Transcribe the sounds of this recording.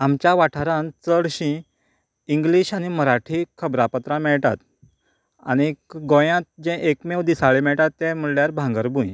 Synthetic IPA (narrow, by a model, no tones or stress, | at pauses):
amt͡ɕjaʋaʈʰaɾãnt͡səɽɕĩ | iŋɡliɕañiməɾaʈʰiːkʰəbɾapət̪ɾãmɛɭt̪a̰t̪ | a̰ñiɡõjãt̪̚d͡ʑɛ̃ʔekmewd̪isaɭemɛɭt̪at̪ːɛ̃m̤əɽljaɾbʱãŋɡəɾbũj